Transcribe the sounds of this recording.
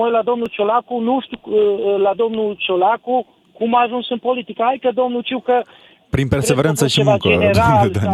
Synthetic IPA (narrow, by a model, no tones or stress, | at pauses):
ojlad̪omnut͡ʃolakunuʃt̪ulad̪omnut͡ʃolaku | kumaːʒunsɨnpolit̪ikaajkəd̪omnut͡ʃiwkə | pɾinpeɾseveɾant̪səʃimuŋkd͡ʒeneɾad̪a